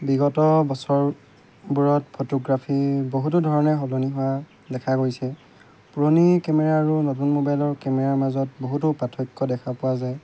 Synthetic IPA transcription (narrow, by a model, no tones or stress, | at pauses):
biɡɔtɔbɔsɔɹ | buɹɔt̚pʰotoɡɹapʰiboɦut̬udʱɔɹɔnɛxɔloniɦʊwa | dɛkʰaɡojsɛ | puɹonikɛmɛɹaːɹunotunmobajlɔɹkɛmɛɹaɹmazɔt̚boɦutʊpatʰɔjkːɔdɛkʰapʊwazaj